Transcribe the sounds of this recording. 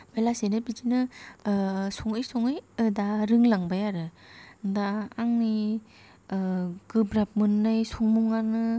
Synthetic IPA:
belasenɯbid͡ʒinɯ | sɔŋɯjsɔŋɯjɯdaɾɯŋlaŋbajaɾɯ | ndaːŋni | ɡ̥ɯbɾap̚mɯnːɯjsɔŋmuŋanɯ

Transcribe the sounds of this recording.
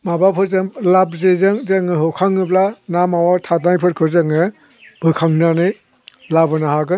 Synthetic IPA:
mabapʰɯzɯŋlab̚zezɯŋzɯŋɯɦɯkʰaŋɯblanamawaɾtʰatnajpʰɯɾkʰɯzɯŋɯ | b̥ɯjkʰaŋnanɯj | labɯnaɦaɡɯ

